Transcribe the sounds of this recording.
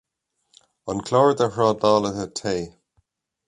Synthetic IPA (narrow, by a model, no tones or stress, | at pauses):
ənkʰl̥ɔːɹd̪əhɹɑːdaːləðətʰeː